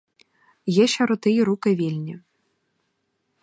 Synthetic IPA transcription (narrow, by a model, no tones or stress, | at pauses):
jɛʃɐɾɔt̪ɪjiɾukɪʋʲilʲnʲi